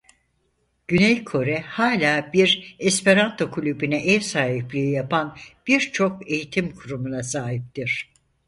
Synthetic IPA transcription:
ɟ̥ynejkʰo̞ɾɛhaːlʲaːbiɾespeɾant̪ʰo̞kʰulʲybynɛʔɛvsaːɦiplʲiijapʰanb̥iɾt͡ʃʰo̞ke̞jit̪ʰimkʰuɾumunasaːɦip̚t̪iɾ̝̥

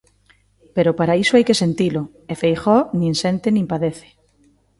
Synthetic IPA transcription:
peɾʊpaɾaisoajkesent̪ilʊ | efejxɔnĩŋsent̪ɪnĩmpaðeθe̥

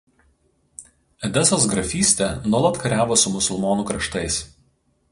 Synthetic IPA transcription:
ɛd̪ʲɛsoːsɡɾɐfʲiːsʲt̪ʲɛnuɔlˠɐt̪kɐɾʲæːʋoːsʊmʊsʊlˠmoːnuːkɾɐʃt̪ɐɪs

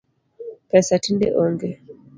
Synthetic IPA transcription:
pɛsatindɛ̰ʔɔŋɡɛ

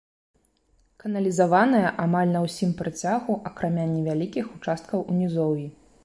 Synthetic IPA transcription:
kɐnɐlʲizavanɐjɐʔamalʲnɐwsʲimpɾat͡sʲaɣuʔɐkɾamʲanʲɛvʲalʲikʲixut͡ʂast̪̚kɐwʔunʲizɔwji

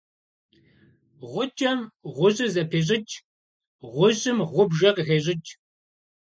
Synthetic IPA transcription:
ʁʷʊt͡ʃʼɐmʁʷʊʑʼɪzɐpʰeːɕ̬ʼɪt͡ʃʼ | ʁʷʊʑʼɪmʁʷʊbʒɐqɣeːʑʼɪt͡ʃʼ

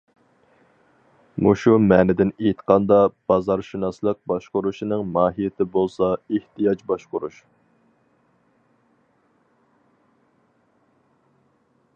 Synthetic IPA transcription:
muʃumɛːnɪd̪ɪnejt̪ʰqʰɑnd̪ɑb̥ɑzɑɾʃunɑslˠəq̚bɑʃqʊɾuʃinɨŋmɑːɦijɪt̪ʰɪbolˠsɑeht̪ijɑd͡ʒbɑʃqʊɾuʃ

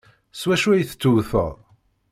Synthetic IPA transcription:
swæʃuæjθə̥t͡sːuθə̰ðˤ

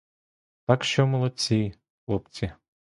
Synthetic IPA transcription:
t̪ɑkʃt͡ʃɔmɔlˠɔt͡sʲij | ɔpt͡sʲi

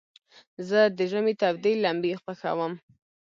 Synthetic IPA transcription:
zəd̪əʒəmet̪abd̪ilːambixpəxa̰wəm

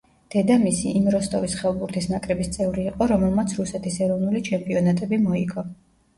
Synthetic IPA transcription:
d̪̥ɛd̪amisiʔːmɾɔst̪ʼɔvisχɛlˠbuɾt̪ʰisnakʼɾɛbist̪sʼɛvɾiːqʼɔɾɔmɛlˠmat̪sʰɾusɛt̪ʰisɛɾɔvnulit͡ʃʰɛmpʼiɔnat̪ʼɛbimɔiɡɔ

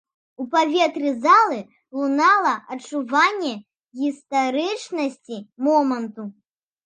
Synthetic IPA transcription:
upavʲet̪ɾʲizalˠɨ | lˠunalˠɐʔɐt͡ʂuvanʲːɛ | ɣʲist̪aɾɨt͡ʂnɐsʲt͡sʲimɔmɐnt̪u

